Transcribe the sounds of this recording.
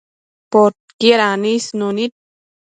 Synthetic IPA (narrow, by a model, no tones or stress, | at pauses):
pot̪̚kieɾanisnunit̪̚